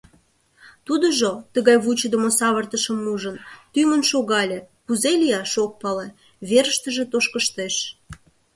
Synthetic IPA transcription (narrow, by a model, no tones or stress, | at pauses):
t̪ud̪əʒot̪əɣɑjβut͡ɕəd̪əmosɑβərt̪əʃəmuʒənt̪yŋənʃoɣɑlʲĕ | puzelʲijɑʃok̚pɑle | βeɾəʃt̪əʒe̽t̪oʃkəʃt̪eʃ